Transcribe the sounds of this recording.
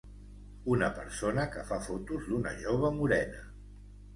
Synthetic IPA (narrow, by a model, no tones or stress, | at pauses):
unəpəɾsonəkəfafot̪uzd̪unə̰ʒoβ̞əmuɾɛnə